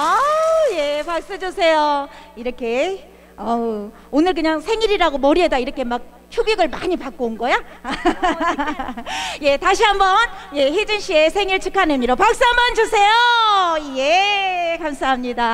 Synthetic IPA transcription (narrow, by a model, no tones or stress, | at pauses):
ʌjepak̚s͈ɯd͡ʑosʰe̞joiɾʌkʰe̞ | ʌ | onɯɭk̬ɯɲaŋsʰe̞ŋiɾiɾaɡomʌɾiɦedaiɾʌkʰe̞mak̚ | t͡ɕʰubiɡɯɭma̰ɲipak͈onɡʌja | je̞taɕʰiɦambʌnje̞ɦed͡ʑɯnɕ͈ʰie̞sʰeŋiɭt͡ɕʰɯkʰanemiɾopak̚s͈ɯɦambʌnd͡ʑosʰe̞joje̞kamsʰaɦamɲida